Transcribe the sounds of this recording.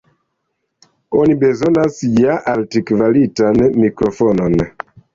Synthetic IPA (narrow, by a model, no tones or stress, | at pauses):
ɔnibɛzɔnasiɟaʔaltikvalitanmikɾɔfɔnɔnɛ